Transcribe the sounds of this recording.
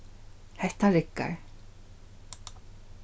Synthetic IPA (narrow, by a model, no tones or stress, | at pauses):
hɛht̪aɾɪkːa̰ɹ